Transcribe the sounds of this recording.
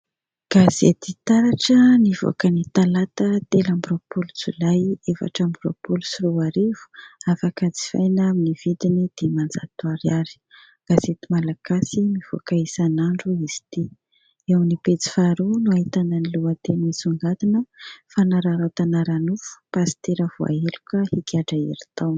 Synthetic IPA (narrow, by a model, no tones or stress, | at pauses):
ɡ̥azet̪it̪aɾaʈ͡ʂəniv̥o̰kənit̪alat̪ət̪elambɾopulut͡sṵlajefa̰ʈ͡ʂambro̰pulusiɾuaɾivu̥afakad͡zi̥fa̰jnaminiv̥id̪inid̪̥emand͡za̰t̪uaɾjaɾi̥ | ɡ̥azet̪imalaɡasimiv̥o̰kaisanaɳɖ͡ʐuizi̥t̪i | ewnipet͡si̥faɾunuaɦit̪ananiluət̪enisuŋɡat̪inəfanaɾaɾawt̪anaɾanufu̥pazi̥t̪eɾəv̥ua̰elukəhikʲaɖ͡ʐaḛɾi̥t̪awn